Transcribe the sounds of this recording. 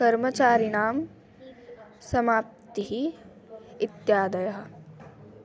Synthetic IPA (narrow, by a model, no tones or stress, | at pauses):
kɐɾmɐt͡ʃaːɾinaːm | sɐmaːp̚t̪iɦi | ɪt̪jaːd̪ɐjɐɦɐ̆